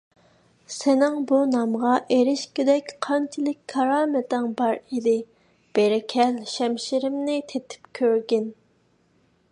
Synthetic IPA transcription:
sɪnɪŋbunɑmʁɑʔeɾɪʃkʲed̪ɛkʲqʰɑnt͡ʃʰɪlˠɪkʲʰːɑɾɑːmɪt̪ɪŋbɑɾid̪ɪ | b̥eɾɪkʲʰɛlʃɛmʃiɾɪmnɪt̪ʰet̪ʰɪ̥pkʲʰøɾɡʲin

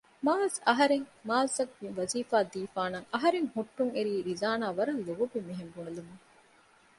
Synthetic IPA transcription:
maːzɐɦɐɾeŋmaːlsɐk̚ʋiŋʋɐziːfaːd̪iːfaːnɐːʔɐɦɐɾeŋhuʈːuŋeɾiːɾizaːnaːʋɐɾɐnluɡobimiɦembuɐlumuŋ

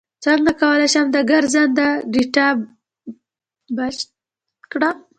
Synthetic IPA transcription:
t͡səŋɡakawəlajʃamd̪əɡaɾzand̪aɖiʈa | ba | kɽam

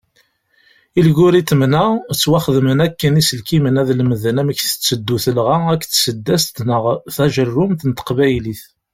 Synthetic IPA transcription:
ilɡʊɾit̪ːəmnæt͡sːwæχðmənækːənisəlkimənæðlməðənæməçθə̥t͡sːəd̪ːuθəlʁæækːθsəd̪ːæst̪nəʁθæʒərːʊmt̪nət̪ə̥qvæjliθ

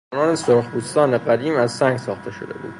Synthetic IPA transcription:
nɒːnesoɾxbuːst̪ɒːne̞ɢæd̪iːmæzsæŋɡsɒːxt̪ʰe̞ʃo̞d̪e̞̰bṵːd̪̥

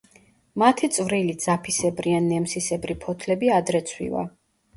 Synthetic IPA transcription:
mat̪ʰit̪sʼvɾilid̪z̥apʰisɛbɾianːɛmsisɛbɾipʰɔt̪ʰlɛbiad̪ɾɛt̪sʰwḭva̰

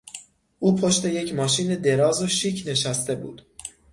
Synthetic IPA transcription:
ʔuːpʰoʃt̪e̞je̞cʰmɒːʃiːne̞d̪e̞ɾɒːzoʃiːcʰne̞ʃæst̪e̞bṵːd̪̥

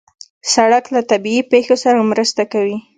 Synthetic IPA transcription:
saɽaklat̪abiipexosaɾamɾəst̪akawi

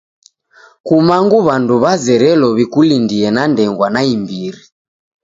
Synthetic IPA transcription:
kumaŋɡuβanduβazɛɾɛlɔβikulindiɛnandɛŋɡwanaimbiɾi

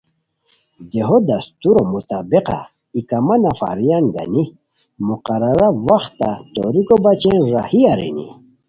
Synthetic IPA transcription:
d̪eɦod̪ɐst̪uɾomut̪abeqa̰ | ikamanafa̰ɾijanɡa̰ni | muqaɾaɾawaxt̪ːat̪oɾikobat͡ɕenɾa̰hiaɾḭnḭ

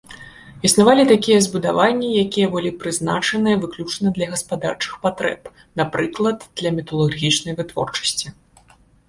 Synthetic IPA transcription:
isnavalʲit̪akʲijɛzbud̪avanʲːijakʲijɛbɨlʲipɾɨznat͡ʂɐnɨjɛvɨklʲut͡ʂnɐd̪lʲɐɣɐspad̪art͡ʂɨ̥xpat̪ɾɛ̰p | napɾɨklˠɐd̪d̪̥lʲɐmʲit̪ɐlˠurɣʲit͡ʂnɐjvɨt̪vɔ̰rt͡ʂɐ̥sʲt͡sʲi

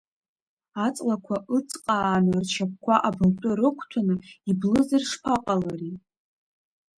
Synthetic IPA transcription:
at͡sʼlakʷʰaʔɨt͡sʼqʼaːnɨrt͡ʃʰap̚ʰkʷʰaʔabɨmtʼʊɾɨkʷʰtʷʰanɨiblɨzɨrʂpʰaqʼalari

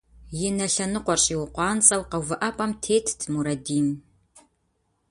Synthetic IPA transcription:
jɪnɐɬɐnɨqʷɔrɕʼiwʊqʷɑːnt͡sʼɐwqɐvɨʔɐpʼɐmtʰeːtʰtʰmuɾɐdiːm

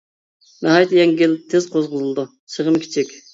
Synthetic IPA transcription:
nɑɦɑjt̪ʰɨjɛŋɡʲɪlt̪ʰɪz̥qʰozqʊzɨlˠɨd̪u | səʁəmkʲʰi̥t͡ʃʰikʲ

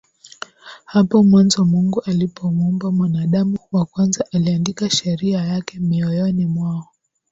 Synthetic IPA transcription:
hapɔmwanzɔmuŋɡuʔalipɔmuumbamwanaɗamuwakwanzaʔaliandikaʃɛɾiajakɛmiɔjɔnimwaɔ

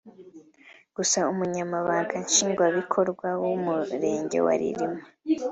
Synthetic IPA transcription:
ɡ̥usaumuɲamaβaːŋɡanʃiːŋɡwaβikʰo̞ɾɡwawumuɾe̞ːɲɟe̞̰wa̰ɾḭɾimo

